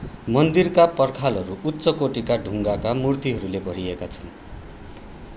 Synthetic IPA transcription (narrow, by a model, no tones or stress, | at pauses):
mʌnd̪irkapʌrkʰalɦʌɾuutːsʌkoʈikaɖʱuŋɡakamurt̪iɦʌɾulebʱʌɾiekat͡sʰʌn